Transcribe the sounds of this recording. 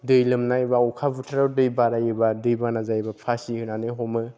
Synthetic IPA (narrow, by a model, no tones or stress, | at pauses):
dɯjlɯmnajbaukʰabutʰaɾadɯjbaɾajɯbadɯjbanazajbapʰasihɯnanɯjɦɔmɯ